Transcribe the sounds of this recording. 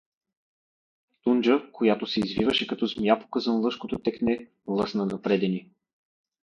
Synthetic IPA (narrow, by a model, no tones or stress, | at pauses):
t̪und͡ʒəkʰojat̪osɛizvḭvəʃɛkɐt̪ɔzmjapo̥kəzənlˠɤʃkot̪ot̪ɛknɛ | lˠɤsnənɐpɾɛd̪ɛni